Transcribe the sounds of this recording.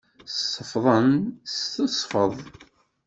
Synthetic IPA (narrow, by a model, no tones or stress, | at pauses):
sːəfðˤənst̪əsˤfəðˤ